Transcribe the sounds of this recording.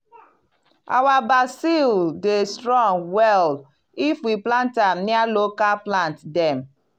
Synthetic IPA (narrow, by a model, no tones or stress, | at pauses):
a̰wabasildestɾɔ̃ŋwɛl | ifwiplãntam̩nialokaplãntdɛm